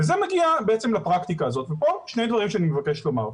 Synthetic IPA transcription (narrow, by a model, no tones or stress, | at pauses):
vezemeɡiabeet͡semlapʁakt̪ikaːzo̞t̪vepo̞ʃnejd̪vaʁimʃeanimevake̞ʃlo̞ma̰ʁ